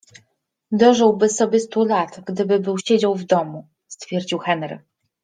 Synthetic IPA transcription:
d̪ɔʐɘwbɘsɔbʲjɛst̪ulat̪ɡd̪ɘbɘbɘwɕed͡ʑawvd̪ɔmu | st̪fʲjɛɾd͡ʑiwxɛnɾɘ̰

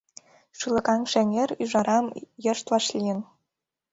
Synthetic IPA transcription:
ʃɯlˠɤ̆kɑŋʃĕnʲerʲyʒɑɾɑmjɤ̆ʃt̪lɑʃlʲiɘ̆n

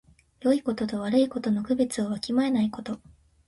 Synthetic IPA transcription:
jo̞iko̞t̪o̞t̪o̞βaɾɯ̟iko̞t̪o̞no̞kɯ̟be̞t͡sɨoβakʲimae̞naiko̞t̪o̞

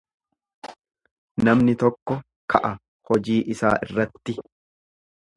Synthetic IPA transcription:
nɐmnɪt̪ɔkːɔ | kʰɐʔɐ | hɔd͡ʒiːʔɪsa̰ːʔɪrːɐt̪ːɪ

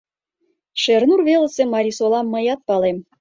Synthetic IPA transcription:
ʃernurvelˠəsemɑɾʲisolˠɑmːɤ̆jɑt̪̚pɑlem

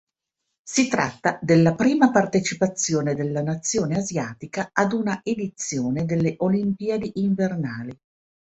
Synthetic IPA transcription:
sit̪ɾa̰t̪ːad̪elːapɾiːmapart̪et͡ʃipat̪sːjoːned̪elːanat̪sːjoːneazjaːt̪ikaad̪unaʔed̪it̪sːjoːned̪elːeʔolimpiːad̪iʔiɱvernaːli

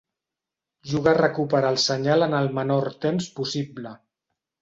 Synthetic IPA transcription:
ʒuɣ̞arəkupəɾalˠsəɲalənəlˠmənoɾt̪emspusiblə

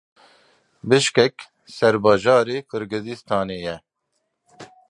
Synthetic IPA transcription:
bɨʃkɛk | sɛɾbɑːʒɑːɾeːkʰɨɾɡɨzist̪ʰɑːneːjɛ

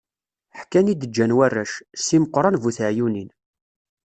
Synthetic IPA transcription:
ħkːænid̪əd͡ʒːænwærːæʃsiməqːɾˤɑnvuθəʕjunin

